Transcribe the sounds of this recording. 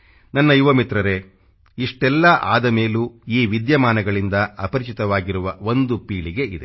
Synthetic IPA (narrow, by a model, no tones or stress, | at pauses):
nɐnːɐjuʋɐmit̪ɾɐɾe̞ | iʂʈɛlːɐʔa̰ːd̪ɐme̞ːluiːʋid̪jɐmaːnɐɡɐɭind̪ɐɐpɐɾit͡ʃit̪ɐʋaːɡiɾuʋɐo̞nd̪upiːɭiɡe̞ʔid̪ḛ